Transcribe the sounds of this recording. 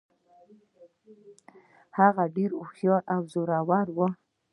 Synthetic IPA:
haɣaɖeɾoxjɑʔawzoɾawaɾwə

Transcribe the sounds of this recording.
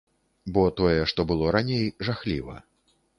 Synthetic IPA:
bɔt̪ɔjɛʂt̪ɔbɨlˠɔɾanʲejʐaxlʲḭvɐ̰

